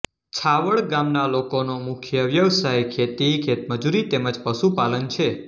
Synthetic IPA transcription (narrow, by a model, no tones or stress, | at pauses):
t͡ʃʰaʋəɭɡamnalokonomʊkʰjəʋjəʋsajkʰet̪ikʰet̪məd͡ʒuɾit̪eməd͡ʒpəʃupalənt͡ʃʰe